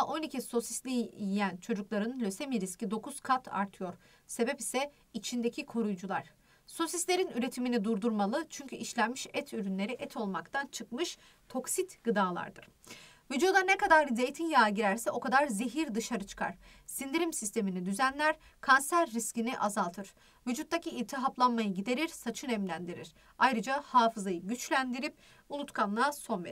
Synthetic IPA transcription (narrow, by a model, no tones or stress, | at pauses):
ʔo̞nicʰiso̞sislʲijijænt͡ʃʰo̞d͡ʒuklˠaɾɯnlʲø̞se̞miɾiscid̪o̞kʰuz̥kʰat̪ʰa̰ɾt̪ʰɯjo̞ɾ | se̞bɛpisɛ | it͡ʃʰind̪e̞cʰikʰo̞ɾujd͡ʒulˠaɾ̥ | so̞sislʲe̞ɾinyɾe̞t̪ʰiminid̪uɾd̪uɾmalˠɯt͡ʃʰyɲcʰyʔiʃlʲænmiʃɛt̪ʰyɾynlʲe̞ɾiʔɛt̪ʰo̞lˠmakt̪ʰant͡ʃʰɯkmɯʃ | t̪ʰo̞ksit̪ɡɯd̪aːlˠa̰ɾd̪ɯɾ̥ | vyd͡ʒud̪anɛkad̪aɾze̞jt̪ʰinjaːɟiɾæɾsɛʔo̞kʰad̪aɾze̞ɦiɾd̪ɯʃaɾɯt͡ʃʰɯ̥kʰa̰ɾ̥sind̪iɾimsist̪ʰe̞minid̪yzænlʲæɾ̥ | kʰansæɾːisciniʔazalˠt̪ʰɯɾ̥ | vyd͡ʒut̪ːaciːlʲt̪ʰiɦaplˠanmajɯɟid̪e̞ɾiɾsat͡ʃʰɯnɛmlʲænd̪iɾiɾ̥ | ajɾɯd͡ʒahaːfɯzajɯɟyt͡ʃlʲænd̪iɾip̚ | ulˠut̪kʰanlˠaso̞nvḛ